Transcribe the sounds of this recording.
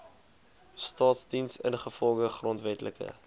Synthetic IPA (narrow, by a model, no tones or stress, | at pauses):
stɑːtsdinsənχəfɔlˠʁəχrɔntvɛtləkə̰